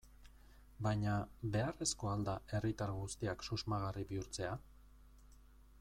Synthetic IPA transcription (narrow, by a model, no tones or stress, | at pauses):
bajɲaβe̞are̞sko̞ald̪ae̞rit̪aɾɣust̪iaksuzmaɣ̞ariβiuɾt͡se̞a